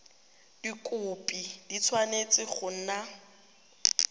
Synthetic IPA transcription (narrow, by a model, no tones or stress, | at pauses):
d̥ikʼʊpʼid̥it͡sʰwanet͡sʼɪχʊn̩ːna